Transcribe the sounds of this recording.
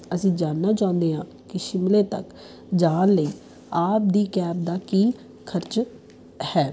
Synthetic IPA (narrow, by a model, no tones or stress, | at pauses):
əsĩːd͡ʒaːnːaːt͡ʃãːʊ̃nd̪eːɦãː | kɪʃɪmleːt̪ə̰k | d͡ʒaːnləiː | aːp̚d̪iːkɛːp̚d̪aːkiː | kʰəɾt͡ʃ | hɛː